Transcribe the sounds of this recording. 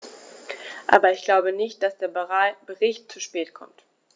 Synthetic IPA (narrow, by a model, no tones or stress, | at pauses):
ʔa̰ːbɐɪçɡ̥laʊbənɪçt̚d̥asd̥eːɐbəʁab̥əʁɪçtt͡suʃpɛːtkʰɔ̰mt